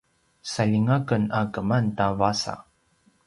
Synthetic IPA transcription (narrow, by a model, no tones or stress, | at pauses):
saʎiŋakənakəmantavasa̰